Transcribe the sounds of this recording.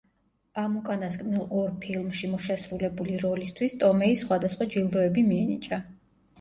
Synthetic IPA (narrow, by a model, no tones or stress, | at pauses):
amukʼanaskʼnilˠɔɾpʰilˠmʃimɔʃɛsɾulɛbuliɾɔlist̪ʰwist̪ʼɔmɛisːχwad̪asχwad͡ʒilˠd̪ɔɛbimiɛnit͡ʃʼa